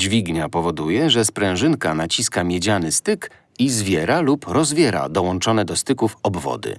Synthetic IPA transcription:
d͡ʑvʲiɡɲapɔvɔd̪ujɛʐɛspɾɛ̃w̃ʐɘnkanat͡ɕiskamʲjɛd͡ʑanɘst̪ɘk | izvʲjɛɾalupɾɔzvʲjɛɾa̰d̪ɔwɔnt͡ʂɔn̪ɛd̪ɔst̪ɘkufɔbvɔ̰d̪ɘ̰

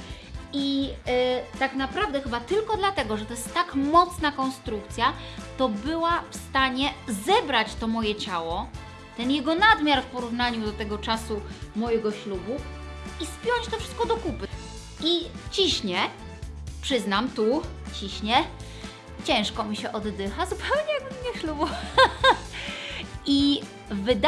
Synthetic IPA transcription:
i | t̪aknapɾavd̪ɛxɘbat̪ɘlkɔd̪lat̪ɛɡɔʐɛt̪ɔjɛst̪ːakmɔt̪snakɔnst̪ɾukt̪sʲja | t̪ɔbɘwafst̪aɲɛzɛbɾat͡ɕt̪ɔmɔjɛt͡ɕawɔ | t̪ɛnjɛɡɔnad̪mʲjaɾfpɔɾuvnaɲud̪ɔt̪ɛɡɔt͡ʂasumɔjɛɡɔɕlubu | ispʲjɔɲt͡ɕt̪ɔfʂɘ̥st̪kɔd̪ɔkupɘ | it͡ɕiɕɲɛ | pʂɘznamt̪ut͡ɕiɕɲɛ | t͡ɕɛ̃w̃ʂkɔmʲiɕɛʔɔd̪ːɘxazupɛwɲɛjaɡ̚bɘmɲɛɕlubɔ | i | vɘd̪

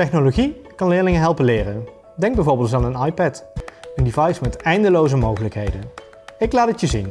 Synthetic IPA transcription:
tɛχnoloχikɑnlɪːɹlɪŋəɦɛlˠpənlɪːrən | dɛŋɡ̚bɛjvʊːɹbɪːlˠt̬aːnənɑjpɛtəndivɑjsmɛtɛjndəlowzəmowχələkɦejdən | ɪklaːtətjəzin

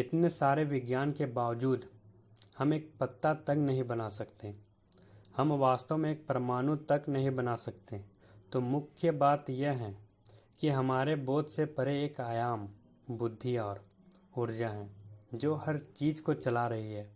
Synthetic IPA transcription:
ɪt̪nesaːɾeʋɪɡjaːnkebaːʋd͡ʒuːd̪ | hɐmeːk̚pɐt̪ːat̪ɐknɐɦĩbɐnasɐkt̪e | hɐmʋaːst̪omẽeːk̚pɾəmaːnũt̪ɐknɐɦĩbɐnasɐkt̪e | t̪omʊkʰjəbaːt̪jeɦɛ̃ː | kiɦɐmaːɾebɔːt̪sepɐɾeeːkaːjaːm | bʊd̪ʱːiɔːɾ | ʊɾd͡ʒaɦɛ̃ːd͡ʒoːhɐɾt͡ʃiːd͡ʒkot͡ʃɐlaɾɐɦiɦɛː

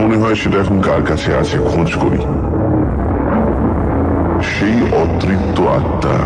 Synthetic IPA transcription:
oneɦɔeʃeʈaɛkʰonkaɾkat͡ɕʰea̰t͡ɕʰeɡʱõd͡ʑkoɾḭ | ʃejɔt̪ːɾitt̪ːoa̰t̪ːa̰

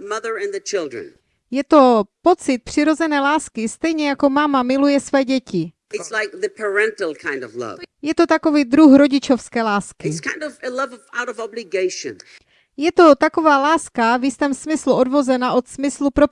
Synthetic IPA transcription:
mʌðə˞ɨ̃nðɨt͡ʃʰɪlˠdɹɨ̰̃n | jɛt̪o̞po̞t͡sɪt̪̚pr̝̥ɪɾo̞zɛnɛːlaːskɪst̪ɛjɲɛjako̞mamamɪlujɛsvɛːɟɛcɪ | ɨtslaɪk̚ðɨpʰə˞ɛ̃ntˡl̩ˠkʰãɪ̃ndʌvlʌ̰vjɛt̪o̞t̪ako̞viːd̪ɾuxɾo̞ɟɪt͡ʃo̞fskɛːlaːskɪtskʰãɪ̃ndʌvɨlʌvʌvaʊɾʌvɑblɨɡeɪʃɨ̰̃n | jɛt̪o̞t̪ako̞vaːlaːskavjɪst̪ɛːmsmɪsluʔo̞dvo̞zɛnaʔo̞t̪smɪslupɾo

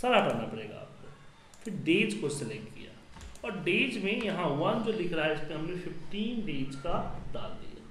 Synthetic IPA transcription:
sɐɾakɐɾnapɐɽeːɡa̰ːpne | pʰɪɾɖeːd͡ʒkosɪlɛkkʈkḭja̰ːɔːɾɖeːd͡ʒmẽjɐɦãʋɐnd͡ʒolɪkʰɾaɦɛɪskeɦɐmnefɪfʈiːnɖeːd͡ʒkad̪a̰ːlːḭja̰ː

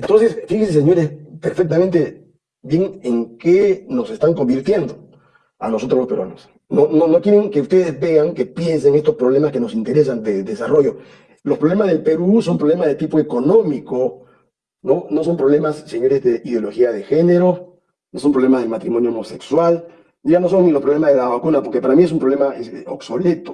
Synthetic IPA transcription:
ent̪o̞nsesfixenses̬eɲo̞ɾespeɾfek̚t̪amẽnt̪e | bjeŋeŋkeno̞se̞st̪aŋko̞mbiɾt̪je̞nd̪o | a̰no̞s̬o̞t̪ɾolospeɾw̰a̰nos | nononokjeɾeŋke̞ust̪e̞ðezβe̞ɣaŋke̞pje̞nseŋe̞st̪ospɾo̞β̞le̞maske̞no̞sint̪eɾes̬and̪eld̪esaro̞ʝo̞ | lo̞spɾoβle̞mazðelpe̞ɾuso̞mpɾoβle̞mazðet̪ipoe̞ko̞nõ̞miko | no̞no̞s̬ompɾoβle̞masːeɲoɾezðe̞iðjo̞lo̞xiaðe̞xe̞neɾo̞ | noso̞mpɾlemazðe̞lmat̪ɾimo̞njoomo̞sekswal | ʝano̞s̬oŋnilopɾoβlemazðelaβakunapoɾke̞paɾamies̬umpɾoβlemaeso̰kso̞le̞t̪o

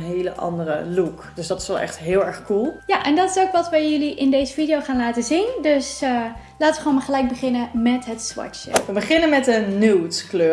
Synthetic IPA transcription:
nɦejləʔɑ̰ndərə̰lukd̥øsdɑtɪ̥sʋɛlˠʔɛ̰χtɦɪːlˠɛɹχkulˠjaʔɛndɑtɪsowkʋɑtʋəjʏliʔɪndejzəfidijowχaːnlaːtəzindøsə | laːtəʋəχoːnmaːɹχəlɛjk̚bəχɪnəmɛtɦətsʋɔ̰tt͡ʃə̰ʋəbəχɪnənmɛtdənuwtsklø

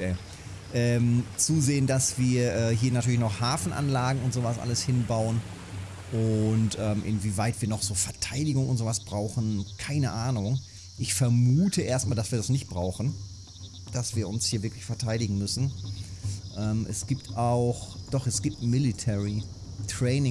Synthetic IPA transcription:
ɛ | ʔɛːmt͡suːzeːəndasv̥iːɐʔɛːɦiːɐnatʰyɐlɪçnɔχhaːfn̩ʔa̰nlaːɡŋ̩ʊntz̥oːvasʔa̰ləshɪnbaʊən | ʔʊntʔɛːmʔɪ̰nviːvaɪtv̥iːɐnɔχz̥oːfɛɐtʰaɪdɪɡʊŋʔʊ̰ntz̥oːvasb̥ʁaʊxn̩kʰaɪnəʔaːnʊŋ | ʔɪçfɛɐmuːtʰəʔeːɐstmaːldasv̥iːɐdasnɪçt̚b̥ʁaʊxn̩ | d̥asv̥iːɐʊnshiːɐvɪɐklɪçfɛɐtʰaɪɾɪɡŋ̩mʏsn̩ | ʔɛːmʔɛ̰sɡ̥iːp̚taʊxd̥ɔχɛsɡ̥iːp̚tmɪlitʰɛʁi | tʁ̥ɛɪnɪ

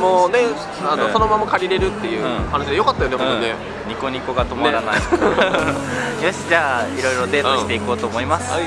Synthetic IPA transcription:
moːne̞ | anoso̞no̞mamakaɾʲiɾe̞ɾɯ̟t̪ːe̞jɯ̟̃ːhanaɕid̪ejo̞kat̪ːajo̞neõt̪ːoɲe | ɲ̟iko̞ɲ̟iko̞ɡat̪o̞maɾana | jo̞ɕid͡ʑaːiɾo̞iɾo̞d̪e̞ːt̪oi̥t̪e̞iko̞ːt̪o̞ːmo̞imasɨ̥

